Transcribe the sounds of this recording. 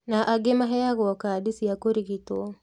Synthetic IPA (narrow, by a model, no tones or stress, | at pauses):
naʔaɡemaɦɛaɣɔkadisiakoɾiɣitɔ